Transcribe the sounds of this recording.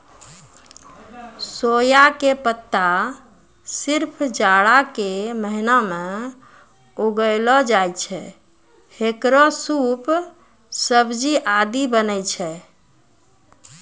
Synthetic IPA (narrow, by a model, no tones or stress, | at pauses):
sojakepət̪ːa | siɾpʰd͡ʒaɽakeməɦiname | uɡəɪlɔd͡ʒajt͡ʃʰɛ̰ | hekɾɔsup | səbd͡ʒiʔad̪ibənɛjt͡ʃʰɛ